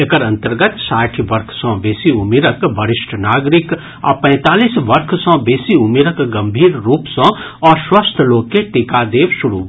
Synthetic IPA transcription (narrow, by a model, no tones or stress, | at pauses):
ekəɾɐ̃nt̪əɾɡət̪saːʈʰʋɐɾkʰsɔ̃ːbeːsiʊmiːɾəkbəɾɪʃʈʰnaːɡɾɪk | ɔ̰ːpɛ̃ːt̪aːliːsʋɐɾkʰsɔ̃ːbeːsiʊmiːɾəkɡɐ̃mbʱiːɾːuːpsɔ̃ː | ɔːɾswəst̪ʰloːɡ̚keʈikad̪eːʋʃʊɾṵ